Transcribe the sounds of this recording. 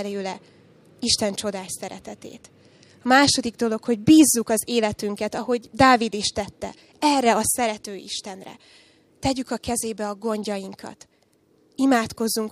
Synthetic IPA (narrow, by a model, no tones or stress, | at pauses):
løːlɛ | iʃt̪ɛnt͡ʃo̞d̪aːʃsɛɾɛ̰t̪ɛt̪ḛːt̪ | ɒmaːʃo̞d̪iɡd̪o̞lo̞kho̞ɟbiːzːukɒzeːlɛt̪yŋkɛt̪ɒɦo̞ɟd̪aːvid̪iʃt̪ɛt̪ːɛ̰ | ɛrːɛɒsɛɾɛt̪øːḭʃt̪ɛnrɛ̰ | t̪ɛɟykɒkɛzeːbɛɒɡo̞ɲɟɒjiŋkʰɒ̰t̪ | imaːt̪ko̞zːuŋk